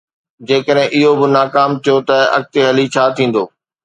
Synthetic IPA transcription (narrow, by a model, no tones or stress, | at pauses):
d͡ʑeːkəɗɦɪ̃ʔɪɦobɪnaːkaːmt̪ʰijot̪ɐɐ̰k̚t̪eɦɐlit͡ɕʰaːt̪ʰĩːn̆d̪oː